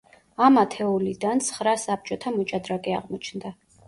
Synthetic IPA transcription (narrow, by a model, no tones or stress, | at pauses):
amat̪ʰɛulid̪ant̪sʰχɾasap̚t͡ʃʼɔt̪ʰamɔt͡ʃʼad̪ɾakʼɛa̰ʁmɔt͡ʃʰnd̪a